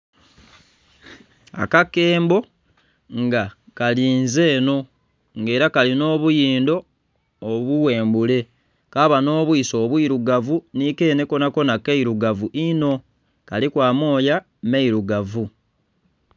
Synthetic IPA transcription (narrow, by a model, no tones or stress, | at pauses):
a̰kake̞ːmbo̞ | ŋɡakaliːnze̞ːno̞ | ŋɡe̞ːɾakalino̞ːβujiːndo̞ː | βuwe̞ːmbule̞ | kaβano̞ːβwiːso̞ːβwiːɾuɡavunike̞ːne̞ko̞nako̞nakeiɾuɡavuʔino̞ | kalikwaːmo̞ːja | meiɾuɡavu